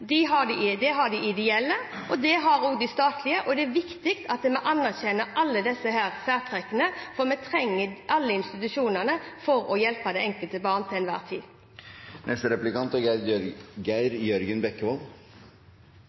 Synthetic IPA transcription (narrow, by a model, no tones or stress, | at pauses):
d̪ɪɦɑɖɪd̪ɛɦɑɖ̪ɪʔɪd̪ɛɛlːəʔɔd̪ɛɦɑɾoːɡd̪ɪst̪ɑːt̪ʰlɪəʔɔd̪ɛæʋɪkt̪ɪkt̪ʰɑt̪mɛʔɑnːæʁçɛnəʔɑlːəd̪ɛsːəɦæːɾsæːk̪ʰɾɛkːənəfɔmɛt̪ʰʁɛŋːəʔɑlːəɪnst̪ɪt̪ʉʂuːnənəfɔɾɔjɛlpəd̪ɛɛŋkəlt̪əbɑːʁnt̪ʰɪɛnʋæ̰ːʁt̪ʰḭː | nʔɛst̪əɾɛplɪkʰɑnt̪ɔɡæɡæɪɾjœɾɡənbɛkːəʋɔl